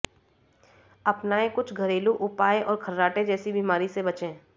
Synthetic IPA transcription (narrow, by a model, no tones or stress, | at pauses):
ɐpnaːẽkʊt͡ʃʰɡʱɐɾeːluʔʊpaːeʔɔːɾkʰɐɾːaːʈed͡ʒɛːsibiːmaːɾisebɐt͡ʃẽː